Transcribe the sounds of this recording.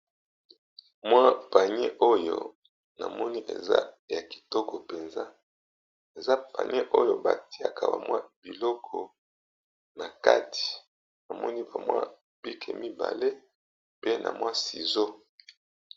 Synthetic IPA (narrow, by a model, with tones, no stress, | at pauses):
mwa˦pa˨ɲe˦ʔo˦jo̰˦˨ | na˨mɔ˦ni˦ʔḛ˨za̰˦ja˨ki̥˨tɔ˦kɔ˨pe˨nza˦ | e˨za˦pa̰˨ɲe˦ʔo˦jo˦ba˨ti˦a˨kʰa˨ba̰˨mwa˦bi˨lɔ˦kʰɔ˨ | na˨ka̰˦tʰi̥˨ | na˨mɔ˦ni˦ba˨mwa̰˦ | b̥i˦kʰe˨mi˦ba̰˨le˦ | pe˦na̰˨mwa˦si˨zo˦